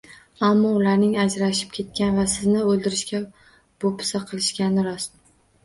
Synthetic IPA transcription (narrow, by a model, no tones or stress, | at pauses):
amːɒʊlaɾnɪŋad͡ʒɾaʃɪ̥p̚kʲʰe̞t̪̚kʲanvasɪznɪolˠd̪ɪɾɪʃkʲa | b̥opʰɪ̥saqʰɨlˠɪʃkʲanɪɾɒst̪